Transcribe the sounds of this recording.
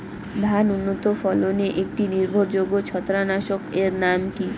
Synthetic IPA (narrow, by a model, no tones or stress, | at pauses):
d̪ʱanunːot̪ofɔloneʔek̚ʈiniɾbʱoɾd͡ʑoɡot͡ɕʰɔt̪ːɾanaʃokeɾnamki